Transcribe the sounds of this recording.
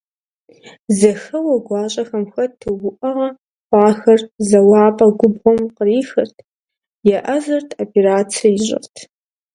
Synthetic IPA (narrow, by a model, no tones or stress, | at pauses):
zɐxɐwɐɡʷɑːɕʼɐxɐmxɐtʰːɨwʊʔɐʁɐ | χʷɑːxɐrzɐwɑːpʼɐɡʷʊbʁʷɔmqəriːxɐrtʰ | jɛʔɐzɐrtʰopʰeɾaːt͡sʰɐjɪʑɪ̰rtʰ